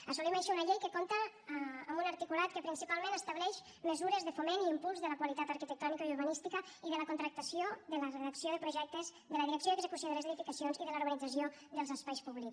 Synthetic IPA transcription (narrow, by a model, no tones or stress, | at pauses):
əsulimaʃiunəʎejkəkomt̪əːmbunɐɾt̪ikulat̪kəpɾinsipalˠmẽnəst̪əβlɛʃ | məzuɾəzðəfomeniːmpulˠzðələkwalit̪at̪əɾkit̪ək̚t̪ɔnikaiuɾβənist̪ikə | iðələkunt̪ɾək̚t̪əsioðələreðəksioðəpɾuʒɛk̚t̪əz | ðələðiɾəksioðeəɡzəkusjoðələzeðifikəsionziðələuɾβənid͡zəsio | ðəlˠzəspajspuβlik